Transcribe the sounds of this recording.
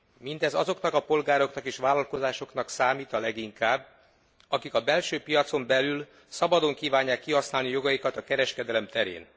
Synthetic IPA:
mind̪ɛzɒzo̞kn̪ɒkɒpo̞lɡaːɾo̞knɒkeːʃʋaːlɒlko̞zaːʃo̞knɒksaːmiːt̪ɒlɛɡiŋkaːbː | ɒkikɒbɛlʃøːpijɒt̪so̞mbɛlyl | sɒbɒd̪o̞ŋkiːvaːɲːaːkːiɦɒsnaːlnijo̞ɡɒjikɒt̪ɒkɛɾɛʃkɛd̪ɛlɛmt̪ɛɾḛːn

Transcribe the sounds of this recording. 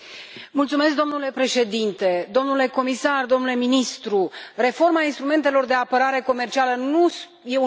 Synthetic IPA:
mult̪sume̞sk̚d̪o̞mnule̞pɾe̞ʃe̞d̪int̪e̞d̪o̞mnule̞ko̞misard̪o̞mnule̞minist̪ɾure̞fo̞rmainst̪ɾume̞nt̪e̞lo̞rd̪e̞apəɾaɾe̞ko̞me̞rt͡ʃialənu | je̞u

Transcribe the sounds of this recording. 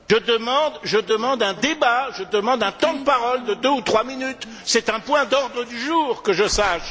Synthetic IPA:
ʒəd̪əmɑ̃d̪ʒəd̪əmɑ̃d̪ɛ̃d̪ebaʒəd̪əmɑ̃d̪ɛ̃t̪ɑ̃d̪əpaʁɔld̪əd̪øut̪χwaminyt̪ | sɛt̪ɛ̃pwɛ̃d̪ɔʁd̪ʁəd̪yʒuːʁkəʒəsaʃ

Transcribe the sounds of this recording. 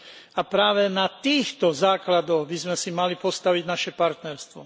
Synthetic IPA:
apɾaːʋɛnat̪iːxt̪ɔzaːklad̪ɔɣbizmɛsimalipɔst̪aʋiɟnaʃɛpaɾt̪nɛɾst̪ʋɔ̰

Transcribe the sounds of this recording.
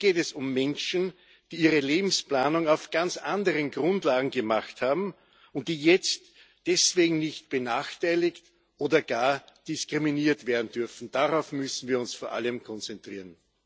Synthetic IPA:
ɡ̥eːtɛsʊmːɛnʃn̩ | d̥iːiːʁəleːbm̩splaːnʊŋaʊfɡ̥ant͡sʔandəʁənɡʁʊ̃ndlaːɡŋ̩ɡəmaχthaːbm̩ | ʊnt̚d̥iːjɛt͡st | d̥ɛsv̥eːɡŋ̩nɪçtb̥ənaːxtʰaɪlɪkt | ʔoːdɐɡ̥aːɐd̥ɪskʁ̥iminiːɐtv̥eːɐdn̩dʏɐfn̩d̥aʁaʊfmʏsn̩viːɐʊnsfoːɐʔa̰ləmkʰɔnt͡sɛntʁ̥iːɐən

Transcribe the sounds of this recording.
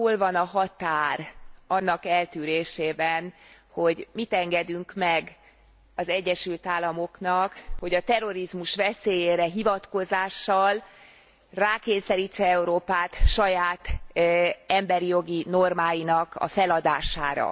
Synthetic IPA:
olvɒnɒɦɒt̪aːrɒnːɒkɛlt̪yːɾeːʃeːbɛn | ho̞ɟmit̪ɛŋɡɛd̪yŋkmɛɡ | ɒzɛɟːɛʃylt̪aːlːɒmo̞knɒkho̞ɟɒt̪ɛrːo̞ɾizmuʃʋɛseːjeːɾɛɦivɒt̪ko̞zaːʃːɒl | raːkeːsɛɾiːt͡ʃːɛɛuɾoːpaːt̪ʃɒjaːt̪ | ɛmbɛɾijo̞ɡino̞rmaːjinɒkɒ̰fɛlɒd̪aːʃa̰ːɾɒ̰

